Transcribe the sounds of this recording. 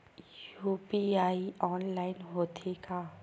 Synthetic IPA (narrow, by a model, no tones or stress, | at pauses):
jupiaiɔnlaɪnɦot̪ʰeka